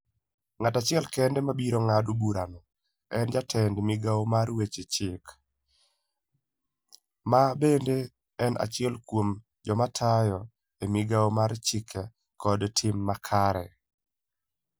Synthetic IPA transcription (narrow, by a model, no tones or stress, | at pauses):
ŋatat͡ʃɪɛlkɛndɛmabiɾoŋadubuɾanɔ | ɛnd͡ʒatʰɛndmiɡaomarwet͡ʃet͡ʃɪk | mabende | ɛnʔa̰t͡ʃɪɛlkwom | d͡ʒɔmatʰajɔ | emɪɡaomart͡ʃɪkʰɛ | kɔdtʰɪmːakʰaɾɛ̰